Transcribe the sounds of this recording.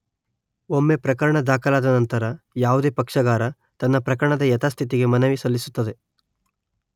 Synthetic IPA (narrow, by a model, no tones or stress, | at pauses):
omːe̞pɾɐkɐɾɐɳɐd̪aːkʰɐlaːd̪ɐnɐnt̪ɐɾɐ | jaːʋud̪e̞ːpɐkʂɐɡaːɾɐ | t̪ɐnːɐpɾɐkɐɾɐɳɐd̪ɐjɐt̪aːst̪ʰit̪̬iɡe̞mɐnɐʋisɐlːisut̪ːɐd̪e̞